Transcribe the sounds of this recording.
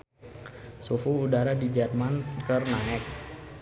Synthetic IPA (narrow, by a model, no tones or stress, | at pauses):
sufuːdaɾadid͡ʒɛrmankərnaɛk̚